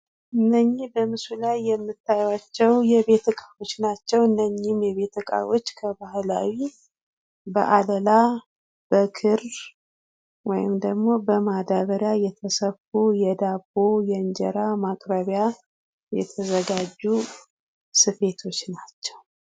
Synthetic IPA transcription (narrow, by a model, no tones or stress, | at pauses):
ʔɨnːəɲːɪhbəmɨsulajːɛmːɨt̪ʰːajwat͡ʃːɛwjɛβe̞t̪ʰəkʼao̞t͡ʃːnat͡ʃːɛwɨnːəɲːɪmjɛβe̞t̪ʰəkʼa̰wo̞t͡ʃːkʰəbahla̰wi | bə̰ʔaləla | b̥əkʰɨɾ | wɔjɪ̰md̪əɡmo̞bəmad̪aβəɾjajɛt̪ʰəsəfujɛd̪abo̞jɛnd͡ʒɛ̰ɾamakʼɾəβja | jɛ̰t̪ʰəzəɡad͡ʒːu | sɨfe̞t̪ʰo̞t͡ʃːnat͡ʃːɛw